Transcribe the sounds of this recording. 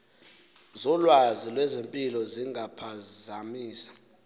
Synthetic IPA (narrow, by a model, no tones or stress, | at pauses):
zɔlwazilwɛzempʼilɔziŋapʰazamiːsḁ